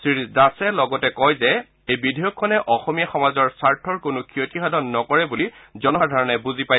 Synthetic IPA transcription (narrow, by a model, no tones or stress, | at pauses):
sɹidasɛlɔɡɔtɛkɔjzɛ | ejbidʱijɔkʰːɔnɛʔɔxɔmijaxɔmazɔɹsaɹtʰɔɹkʊnʊkʰiotixadʱɔnːɔkɔɹɛbulizɔnɔɹdʱɔɹɔnɛbuzipa